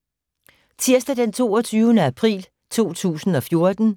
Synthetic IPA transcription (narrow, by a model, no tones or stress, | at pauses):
t͡sʰiɐ̰sd̥æd̥ent͡sʰo̝̰ːɒ̽t͡sʰyːʊnəæpʰʁḭːl | t͡sʰo̝̰ːt͡sʰṵːsn̩ɒ̽fjo̝ɐd̥n̩